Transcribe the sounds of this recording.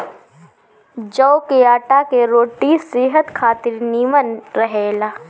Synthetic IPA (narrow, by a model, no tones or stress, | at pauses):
d͡ʒəwkeaːʈakeɾoːʈiseɦət̪kʰaːt̪ɪɾniːmənɾɐɦeːlaː